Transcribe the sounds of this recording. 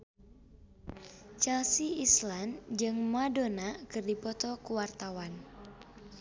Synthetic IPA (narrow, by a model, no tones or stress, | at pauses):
t͡ʃɛlsiisland͡ʒɨŋmadonakɨrdipɔt̪ɔkuwart̪awan